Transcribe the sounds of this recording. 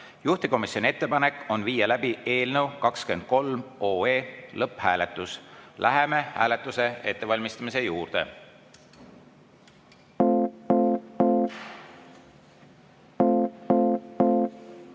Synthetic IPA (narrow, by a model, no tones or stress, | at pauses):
juht̪iko̞misjo̞nʲiet̪ˑːe̞pɑne̞kːo̞nviːjɑlæbiʔe̞ːlnewkɑkske̞nd̪̥̚ko̞lmo̞ːeːlɤpːhæːle̞t̪ːˑuslʔæɦeme̞hæ̰ːle̞t̪ːˑuse̞e̞t̪ːevɑlʲmist̪ɑmise̞juːrd̪̥e̞̰